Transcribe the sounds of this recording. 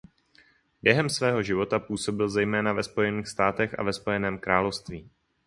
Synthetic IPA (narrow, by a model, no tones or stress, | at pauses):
bjɛɦɛmsvɛːɦo̞ʒɪvo̞t̪apuːso̞bɪlzɛjmɛːnavɛspo̞jɛniːxst̪aːt̪ɛxʔa̰vɛspo̞jɛnɛːmkɾaːlo̞fst̪viː